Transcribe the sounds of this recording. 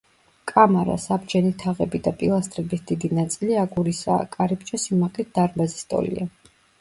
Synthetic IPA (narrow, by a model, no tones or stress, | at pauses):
kʼamaɾa̰sabd͡ʒɛnit̪ʰaʁɛbid̪apʼḭlˠast̪ʼɾɛbisd̪id̪inat̪sʼiliaɡuɾisa̰ːkʼaɾip̚t͡ʃʼɔsimaqlit̪̚d̪̥aɾmbazist̪ʼɔ̰lḭa